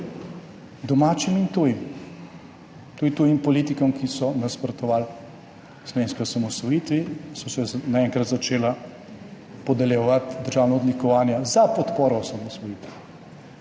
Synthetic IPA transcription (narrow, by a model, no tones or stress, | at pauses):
d̪ɔmaːt͡ʃimint̪uːjim | t̪uit̪ujimpɔlit̪ikɔmkisɔnaspɾɔt̪ɔʋaːl | slɔʋeːnskɔjɔsamɔsʋɔjiːt̪ʋisɔsɛnaɛŋkɾɐt̪zat͡ʃeːla | pɔd̪ɐljɛʋat̪d̪əɾʒaːwnɔːd̪likɔʋaːnjazapɔt̪poːɾɔsamɔsʋɔjit̪ɛ